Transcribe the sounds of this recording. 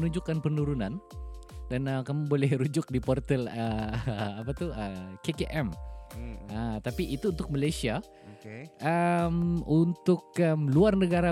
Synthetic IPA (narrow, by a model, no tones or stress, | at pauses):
nuɲd͡ʒʊkːanpənuɾunandanəkamubolɛhɾud͡ʒʊk̚dipɔrt̪ɛlə | apat̪uəkekeʔɛm | ət̪apiʔit̪uːnt̪ʊk̚malajsia | ʔəmunt̪ʊkəmluarnəɡaɾa